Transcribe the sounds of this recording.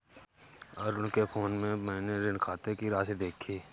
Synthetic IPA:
ɔːɾʊnkepʰoːnmẽmɛ̃ːneɾɪnkʰaːt̪ekiɾaːsed̪eːkʰːiː

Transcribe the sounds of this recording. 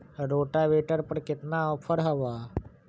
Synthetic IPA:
ɾoʈaʋeʈəɾpəɾket̪naɔfʰəɾɦəʋa

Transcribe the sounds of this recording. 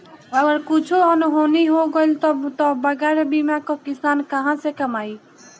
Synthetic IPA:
ɐɡəɾkʊt͡ʃʰoɔnɦoːniɦoɡolt̪ot̪obɐɡɛːɾebiːmãkokɪsaːnkɐɦãsekɐmaːiː

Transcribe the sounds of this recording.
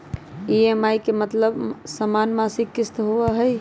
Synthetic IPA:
iemajkemət̪ləbsəmanmasikːist̪ɦoaɦəj

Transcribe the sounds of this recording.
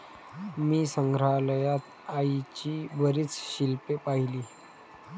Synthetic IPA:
miːsəŋɡʱɾaləjat̪ | ait͡ɕiːbəɾiːt͡sɕilpepaɦiliː

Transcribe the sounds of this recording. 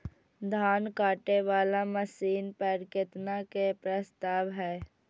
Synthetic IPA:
d̪ʱaːnkaːʈeʋaːlaməsiːnpəɾkɪt̪nakepɾəst̪aːʋɦɛː

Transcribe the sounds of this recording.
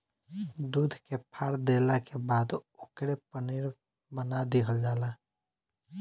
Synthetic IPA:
d̪uːd̪ʱkepʰaːɾd̪eːlakebaːd̪ʊkɾepənɪɾ | bənad̪iɦəld͡ʒaːla

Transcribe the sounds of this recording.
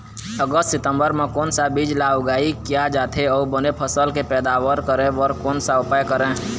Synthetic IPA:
əɡəst̪sɪt̪ə̃mbəɾmẽkɔːnsabiːd͡ʒlaːɡaːikijad͡ʒaːt̪ʰeɔːbənepʰəsəlkepɛːd̪aːʋəɾkəɾẽəɾkɔːnsaʊpajkəɾẽː

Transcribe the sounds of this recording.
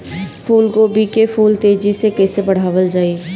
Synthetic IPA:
pʰuːlkobiːkepʰuːlt̪eːd͡ʒisekɛːsebɐɽ̤aːʋəld͡ʒaːi

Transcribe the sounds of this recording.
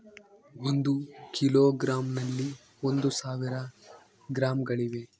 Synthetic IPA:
ond̪ukiloːɡɾaːmnɐlːi | ond̪usaːʋiɾɐ | ɡɾaːmɡɐɭiʋe̞

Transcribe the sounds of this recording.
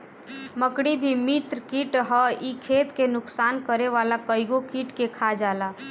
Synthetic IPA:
məkɽibʱimit̪ɾəkiʈɦəikʰet̪kenʊksankəɾeʋalakəjɡokiʈkekʰad͡ʒala

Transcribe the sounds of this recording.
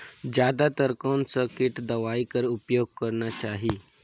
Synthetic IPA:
d͡ʑad̪at̪əɾkansəkeʈd̪əʋaikəɾupjoɡ̚kəɾɳjat͡ɕaɦi

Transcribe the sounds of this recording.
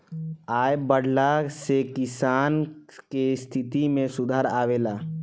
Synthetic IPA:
aːjbəɽʱlasekisaːnkest̪ʰit̪imẽsud̪ʱaːɾaːʋela

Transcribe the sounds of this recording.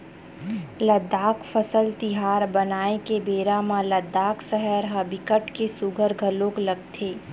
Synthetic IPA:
ləd̪ːaːkfʰəsəlt̪ɪɦaːɾbɐnaːekebeːɾamãləd̪ːaːksəɦəɾɦɐbɪkəʈkesʊɡʱəɾɡʱəlõklɐɡt̪ʰeː

